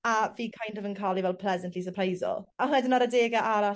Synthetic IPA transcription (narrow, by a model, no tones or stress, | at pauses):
aviːkʰajndɔvənkʰalˠivɛlˠpʰl̥ɛzəntʰlis̬əpʰrajzɔ̰lˠahɛdənaɾədeːɡaʔaɾa